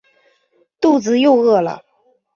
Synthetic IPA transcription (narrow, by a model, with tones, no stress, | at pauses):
t̪u˥˩t͡sɹ̩˧˦jo˥˧ʊɤ˥˩lə̰˩